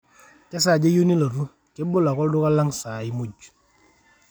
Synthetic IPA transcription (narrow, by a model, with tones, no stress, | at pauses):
ka˦s̬a˦˨d͡ʒe˦jo˦ni˦lo˨ɾu˦ | ke˦bo˦la˨kɔ˦ldʊ˦ka˦la˦ŋsa˨i˦mu˦d͡ʒ